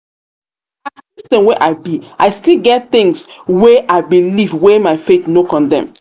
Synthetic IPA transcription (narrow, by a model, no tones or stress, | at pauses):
asistɛ̃mweʔaɪbiʔaɪstilˠɡɛt̚θɪ̃ŋswɛʔaɪbilivwɛmaɪfeθnokɔ̃ndɛ̰̃m